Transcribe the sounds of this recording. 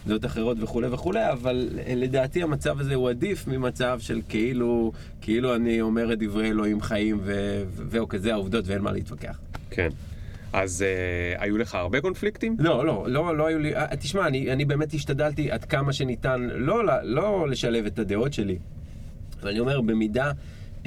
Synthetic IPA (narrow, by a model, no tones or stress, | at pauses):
d̪eo̞taχe̞ʁo̞tve̞χulejveχule̞javalle̞d̪aːtiamat͡savazehuadifmimat͡savʃelkeilu | kʰeiluanio̞me̞ʁed̪ivʁeelo̞imχajimve̞vveukazeauvd̪o̞tveenma̰lʔḛitvake̞̰a̰χkʰḛn | ʔazea̰jule̞χaːʁbe̞ko̞nfliktimlo̞lo̞lo̞loajuliʔa̰t̪iʃmaːnianibe̞ːmethiʃtadaltiʔad̪kamaʃenitanlo̞lalo̞le̞ʃale̞ve̞tad̪e̞o̞tʃe̞li | vanio̞me̞ʁbe̞mida